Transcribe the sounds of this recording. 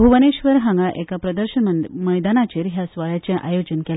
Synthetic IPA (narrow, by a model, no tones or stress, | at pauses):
uʋəneɕʋəɾɦãŋɡaʔekapɾəd̪əɾɕənməjd̪anat͡ɕeɾɦjasʋaɭjat͡ɕjaʔajod͡ʑənkel